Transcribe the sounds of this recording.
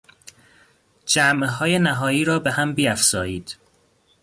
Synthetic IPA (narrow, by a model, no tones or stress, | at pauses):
d͡ʒæmʔɦɒːje̞næɦɒːjiːɾɒːbehæmbiːæfz̥ɒːjiːd̪̥